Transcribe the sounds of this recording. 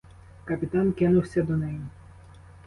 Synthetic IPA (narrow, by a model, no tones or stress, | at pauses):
kɐpʲɪt̪ɑnkɪnʊwsʲɐd̪ɔnɪjʊ